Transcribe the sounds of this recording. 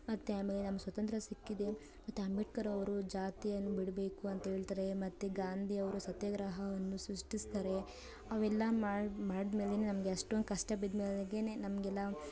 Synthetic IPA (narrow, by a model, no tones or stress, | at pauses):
mɐt̪ːeaːmeːlenɐmːɐsʋɐt̪ɐnt̪ɾɐsikːid̪e̞ | mɐt̪ːeɐmiʈ̚kɐɾɐʋɐɾud͡ʒaːt̪ijɐnːubiɽbe̞ːkuɐnt̪ɐɦe̞ːɭt̪aːɾe̞mɐt̪ːeɡaːnd̪ʱiɐʋɐɾusɐt̪jɐɡɾɐɦɐʋɐnːusɾuʂʈist̪aɾe̞ | ɐʋɛlːɐmaːmaːɽid̪me̞ːlenenɐmɐɡeɐʂʈond̪kɐʂʈɐbid̪meːleɡenenɐmɐɡɛlːɐ